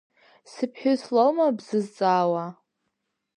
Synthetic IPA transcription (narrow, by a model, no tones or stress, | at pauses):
sɨpʰħʊzlolmabz̥ɨzt͡sʼaːwa